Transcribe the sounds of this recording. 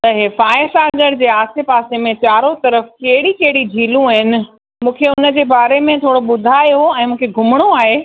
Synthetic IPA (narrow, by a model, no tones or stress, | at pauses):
t̪ɐɦefaːɪsaːɡəɽd͡ʑeːaːsepaːsemẽt͡ɕaːɾot̪ɐɾəfkɐɦɪɽikɐɦɪɽid͡ʑʱiːlũaːɦɪnɪ̆ | mũːkʰeʊnə̆d͡ʑeːbaːɾemẽt̪ʰoːɽoɓʊd̪ʱaːjoɛ̃ːmũːkʰeɡʱʊməɽ̃oaːɦeː